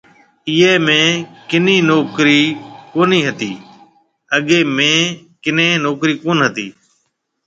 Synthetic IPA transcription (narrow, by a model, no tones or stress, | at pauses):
iːeːmẽːkɪniːnoːkɾiːkoːniːɦət̪iː | əɠeːmẽː | kɪnẽːnoːkɾiːkoːnɦət̪iː